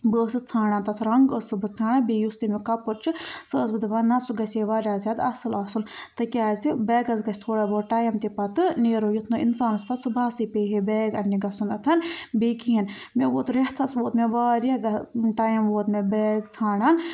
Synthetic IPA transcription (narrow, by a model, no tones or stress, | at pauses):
bəːsɨt͡sʰaːɽaːnt̪ɐt̪ʰɾɐŋɡəsɨbɨt͡sʰaːnabiːjust̪imikɐpɨɾ̚t͡ʃʰɨsɨːsbɨd̪ibaːnɐsuɡɐseːʋaːɾʲaːzʲaːt̪ɐsɨlɐːsunt̪ɨkʲaːzibɛːɡɐs̬ɡɐt͡ʃʰʲt̪ʰoːɽaboːʈaːjɐmt̪ipɐt̪ɨneːɾoːjut̪ʰnuinsaːnɐspɐt̪sɨbʱaːsiːpeːɦebɛːɡɐnːiɡɐsunɐt̪ʰɐnbiːkʰiːin | meʋoːt̪ɾeht̪ʰɐsʋoːt̪meʋaːɾjaːɡɐʈaːjɐmʋoːt̪mebɛːɡt͡sʰaːɽaːn